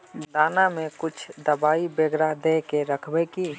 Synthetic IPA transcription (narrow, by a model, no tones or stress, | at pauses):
d̪aːnamẽkʊt͡ʃʰd̪əbaːibeɡɾaɦd̪ekeɾəkʰbɛki